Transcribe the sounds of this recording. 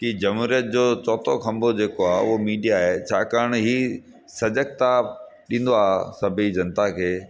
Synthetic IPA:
kid͡ʑɐmɦuːɾijət̪̚d͡ʑoːt͡ɕɔːt̪ʰoxʰɐ̃mbod͡ʑeːkoaːɦʊɦomiːɖijaɦet͡ɕʰaːkaːɾəɽ̃ɦi | sɐd͡ʑək̚t̪a | ɗĩːn̆d̪oaːsɐbʱid͡ʑɐnt̪akʰeː

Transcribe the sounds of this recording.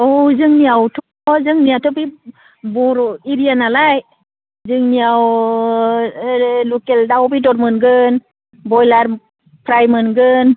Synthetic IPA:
ozɯŋniawtʰɔ | zɯŋnijatʰɔbi | bɔɾiɾijanalaj | zɯŋnijaw | lukeldawbidɔɾmɯnɡɯn | bɔjlaɾ | pʰɾajmɯnɡɯn

